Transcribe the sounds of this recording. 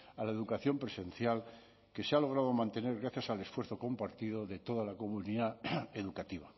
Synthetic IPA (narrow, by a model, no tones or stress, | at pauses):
alaeðukaθjo̞mpɾe̞sẽ̞nθjal | ke̞sealo̞ɣ̞ɾað̞o̞mãnt̪e̞ne̞ɾɣɾaθjasalesfwɾθo̞ko̞mpaɾt̪iðoðe̞t̪o̞ð̞alako̞muniðae̞ðukat̪iβa